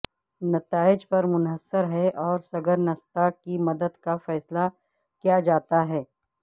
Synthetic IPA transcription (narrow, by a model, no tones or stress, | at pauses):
nɐt̪aːɪd͡ʒpɐɾmʊnɦəsːəɾɦɛʔɔːɾsɐɡəɾnɐst̪akimɐd̪əd̪kafɛːsla | kijad͡ʒaːt̪aɦɛː